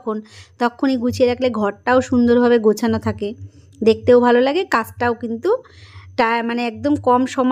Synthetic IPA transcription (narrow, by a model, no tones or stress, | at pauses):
kʰont̪ɔkʰoniɡut͡ɕʰeɾakleɡʱɔɾʈaoʃund̪oɾbʱabeɡot͡ɕʰanot̪ʰake | d̪ek̚t̪ewbʱalolaɡekat͡ɕʈaokint̪uʈamaneɛk̚d̪omkɔmʃɔm